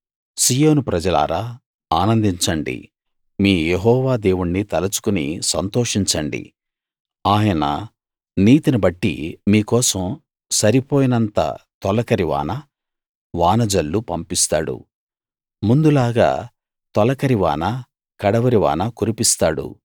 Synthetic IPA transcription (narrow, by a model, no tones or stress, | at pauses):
siːjoːnupɾɐd͡ʒɐla̰ːɾa | aːnɐnd̪iɲt͡ʃɐɳɖḭ | miːjeɦɔːʋaːd̪eːʋuɳːit̪ɐlɐt͡ʃu̥kunḭsɐnt̪ɔːʂiɲt͡ʃɐɳɖḭ | aːjɐnɐ̰ | niːt̪inɐbɐʈːḭmiːkɔːsɐm | sɐɾipoːjinɐnt̪ɐ̰t̪ɔlɐkɐɾiʋa̰ːnɐ | ʋaːnɐd͡ʒɐlːupɐmpist̪aːɽṵ | mund̪ulaːɡa̰ː | t̪ɔlɐkɐɾiʋa̰ːnɐ | kɐɽɐʋɐɾiʋa̰ːnɐkuɾipist̪aːɽṵ